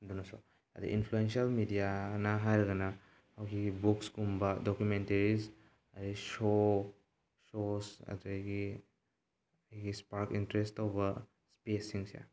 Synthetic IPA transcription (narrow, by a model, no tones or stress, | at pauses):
dunaso | ɐ̰dḭʔinpʰluensialmidijanaɦajɾɐɡɐna | hawɡibuksɡumbɐdokjumenteɾis | ɐɾiso | sosɐ̰tjɡi | ɐjɡispaɾkintɾestːawbɐ | spesiŋsija̰